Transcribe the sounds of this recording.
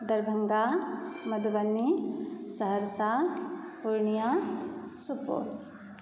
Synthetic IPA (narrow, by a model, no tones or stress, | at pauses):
d̪ɐɾbʱɐŋɡamɐd̪bɐnːisɐɦəɾsa | puɾɳijasupo̰ːɾ